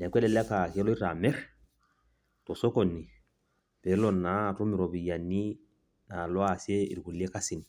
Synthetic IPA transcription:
nɛ˨kwɛ˦lɛ˨lɛ˦ka˨kɛ˦lɔ˦i˦ɾa˨mɛ˦ɾ | tɔ˨sɔ˦ko˨nːi˨ | bɛ˨lɔ˨nːa˨˦tɔ˦mi˨ɾo˨bi˨ja˨nːi˦ | na˨lɔ˦a˨se˦ḭ˨ɾku˨li˦e˦ka˦si˨n

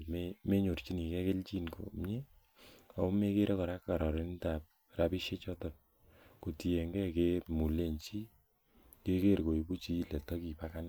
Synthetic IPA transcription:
meme˦ɲo˨rt͡ʃi˦ni˨kɛ˦ke˦lt͡ʃi˦nko̰˨m˦e˦ | a˨o˦me˦ke˦ɾʔe˦kɔ˨ɾa˦kːa˨ɾɔ˨ɾe˦n˦ta˨p̚ | rapi˦ʃje˦t͡ʃɔtɔ˨ | ko˨ti˨e˨ŋɡɛ˦ke˦mu˨le˦ɲt͡ʃi˦ | ke˦ke˦ɾko˨i˨bu˦t͡ʃi˦lɛ˨tɔ˦ki˨pa˦kan

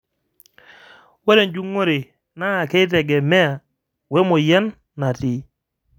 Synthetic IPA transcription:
we˦ɾe˨nd͡ʒu˦ŋo˦ɾe˨ | naː˦˨ke˦t̬ɛ˨ɡɛ˨mɛ˦a˨ | we˦mo˨jɛ˦nː | a˨ti˦

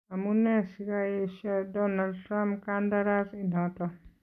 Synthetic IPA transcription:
a˨mu˦nɛ˦sikaje˦ʃɛ˦dɔnaltɾa˦mpkanda˦ɾa˦si˨nɔ̃˨tɔ

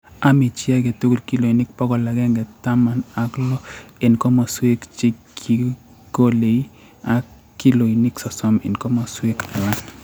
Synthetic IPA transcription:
a˦mi˨t͡ʃɪ˦a˦ɡe˨tu˦ku˦˨lki˦lo˨i˨nɪ˦k̚pɔ˦kɔ˨la˨ɡɛ˦ŋɡɛ˨ta˦ma˨na˦klɔ˦e˨nkɔ˦ma˨swe˦kt͡ʃɪ˦kʰi˨ | ɡo˦le˨i˦ | a˦ | ki˦lo˨i˨nɪ˦ksɔ˨sɔ˦mḛ˨nkɔ˦ma˨swe˦ka˨wa˦n

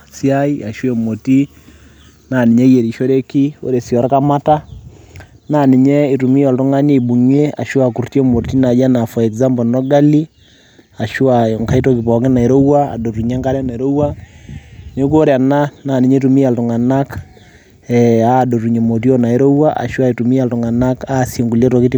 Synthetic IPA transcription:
si˦a˦i˦a˨ʃwe˨mo˨ti˦ | na˨ni˨ɲe˦je˨ɾi˨ʃo˦ɾe˦ki˦o̰˦ɾe˨sjɔ˨ɾka˦ma˦ta˦ | na˨ni˨ɲɛ˦i˨tu˨mi˦jɔ˨ltu˦ŋa˦ne˦˨bu˨ɲe˦a̰˨ʃwa˨ku˨ɾti˦ɛ˦mo˨ti˦na˨d͡ʒa˦na˨fɔ˨ɛ˨kza˦mbɔ˨nɔ˦ɡa˦li˦ | a˨ʃu˦a˨ŋka˦i˦to˦kɪ˨pɔ˨kɪ˦na˨e˨ɾo˦wa˦a̰˨do˨ru˨ɲe˦ŋka˦ɾa˦na˨e˨ɾo˦wa˦ | ne˦k̬o˦ɾe˨a˨na˦na˨ni˨ɲe˦tu˨mi˦ja˨ltu˨ŋa˨na˦k | ɛa˦do˨tu˨ɲe˨mo˨t̬i˦o˦na˨e˦ɾo˦wa˦ʔa̰˨ʃu˦a˦e˨tu˨mi˦a˨ltu˨ŋa˨na˦ka˦˨sje˨ŋɡu˨le˦twɔ˨ki˦ti˦

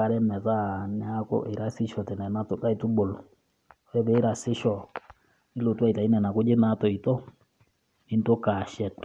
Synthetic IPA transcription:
a˨ɾɛ˦mɛ˨ða˦˨nɛ˦a˦kɔ̰˦ʔe˨ɾa˦sɪ˦ʃɔ˨tɛ˨nɛ˨na˦to˨ka˦i˨tu˦ɓo˨lɔ˨ | ɾɛ˦βɛ˨˦ɾa˨sɪ˦ʃɔ˨ | ni˦lo˨twa˦˨i˨ta˨i˦nɛ˨na˨ko˦d͡ʒɪ˦na˦tɔ˨i˨tɔ˦ | i˦n˦to˦ka˨ʃɛ˨tɔ̥˨

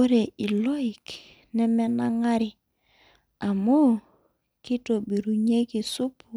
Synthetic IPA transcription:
o˦ɾe˨i˨lɔ˦i˨k | nɛ˦mɛ˦na˦ŋa˦ɾɪ˨ | a˨mo˦ | ki˦to˨bi˨ɾu˨ɲe˦ki˨su˦pʰu˨

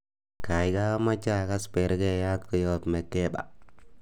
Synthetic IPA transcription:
ka˨ɪka˦ma˦t͡ʃa˦ka˦spɛ˨ɾkɛ˦ja˦tkɔ˨jɔtmɛ˨tɛ˦ba̰˨

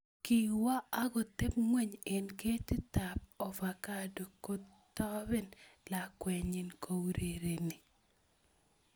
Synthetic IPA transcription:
ki˨wa˦a˦ɡɔ˨t̪e˦p̚ŋwe˦ɲe˨nke˦tɪ˦ta˨p̚ɔ˨fa˨ka˦do˨ko˦ | t̪ɔ˦bɪ˦nla˨kwɛ˨ɲɪ˨nko˨wɾe˨ɾe˨nɪ˨

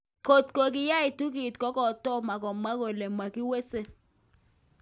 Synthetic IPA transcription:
ko˨tko˨k̬ɪ˦ja˦ɪ˨tu˦ki˨tkɔ˦kɔ˨tɔ˦ma˨kɔ˨ma˦ko˨le˨ma˨ki˦we˦se˦

